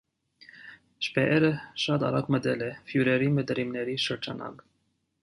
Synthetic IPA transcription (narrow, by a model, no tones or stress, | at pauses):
ʃpɛʔɛɾəʃɑt̪ɑ̰ɾɑkməd̪ɛlɛfjuɾɛɾiməd̪ɾimnɛɾiʃəɾd͡ʒɑnɑ̰k